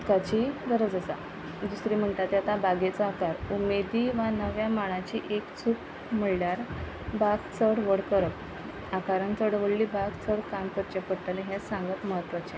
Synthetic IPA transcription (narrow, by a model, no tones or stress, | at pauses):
kat͡ɕiɡ̪əɾəd͡zəsa̰ | d̪usɾim̤əɳʈ̪at̪jat̪abaɡet͡saakaɾumed̪iːʋanəʋjamaɭ̃ãt͡ɕiːʔekt͡sʰuːk | m̤əɭljaɾ | baɡt͡sʰəɽʋəɽkəɾəp | akaɾənt͡s̪əɽʋəlliːbaɡt͡sʰəɽkamkəɾt͡ɕepəɽʈəlẽɦesãŋɡət̪məɦət̪ːʋat͡ɕe